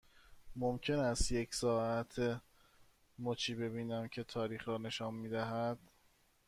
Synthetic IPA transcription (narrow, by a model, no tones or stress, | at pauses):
momcʰe̞næst̪je̞cʰsɒːæt̪ʰe | mot͡ʃʰiːbe̞biːnæmcʰe̞t̪ʰɒːɾiːxɾɒːne̞ʃɒːnmiːd̪æɦæd̪̥